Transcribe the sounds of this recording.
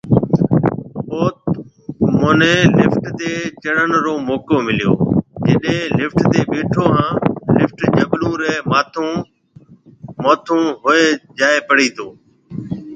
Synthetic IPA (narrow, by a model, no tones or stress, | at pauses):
oːt̪ | moːnẽːlɪfʈt̪eːt͡ʃəɽənɾoːmoːkoːmɪlɪjo̰ːd͡ʒəɗɦẽlɪfʈt̪eːɓeːʈʰoːɦãːlɪfʈd͡ʒəɓlũːɾɛːmaːt̪ʰõ | moːt̪ʰũːɦʊeːd͡ʒaːeːpəɽiːt̪ʰoː